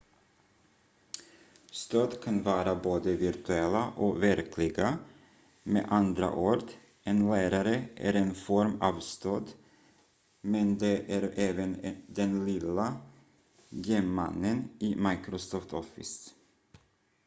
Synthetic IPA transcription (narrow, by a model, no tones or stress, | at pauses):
st̪øːd̪kʰanvɑːɾaboːd̪əvɪɾt̪ʰʉɛlːaʔɔvæɾkʰlɪɡa | mḛːʔand̪ɾa̰ʔoːɖ̪ | ɛnlæːɾaɾəʔæ̰ɾɛnfɔɾmɑvst̪øːd̪ | mɛnd̪ɛʔæɾɛːvənd̪ɛnlɪla | ɡeːma̰nːəniːmajkɾɔsɔːft̪ʰɔfɪ̰s